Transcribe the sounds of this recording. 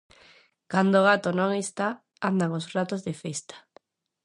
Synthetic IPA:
kand̪oɣat̪onõŋest̪a | and̪aŋosrat̪ozðefest̪ḁ

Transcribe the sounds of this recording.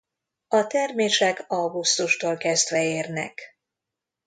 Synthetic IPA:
ɒt̪ɛrmeːʃɛkɒwɡust̪uʃt̪oːlkɛzd̪ʋɛeːrnɛ̰k

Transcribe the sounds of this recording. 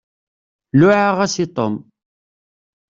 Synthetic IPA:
lʊʕaʁæsit̪ˤo̰m

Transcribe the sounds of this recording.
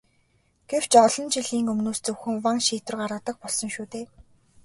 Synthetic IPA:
ɡ̥ew̥t͡ɕɔɮɞ̆nt͡ɕiɮiːŋɵmnoːst͡sɵwxɘ̆ŋwaŋʃiːt̪ʊ̆rɢaɾaːt̪ə̆k̚pɔɮsɞ̆ŋʃuːt̪eː

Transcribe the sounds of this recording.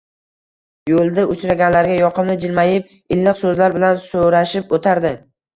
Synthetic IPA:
jolˠd̪aʊt͡ʃɾaɡʲanlaɾɡʲajɒqʰɨmnɪd͡ʒɪlmajɪp̚ | ɪlːɪqsɵzlaɾbɪlansoɾaʃɪpot̪ʰaɾd̪ɪ

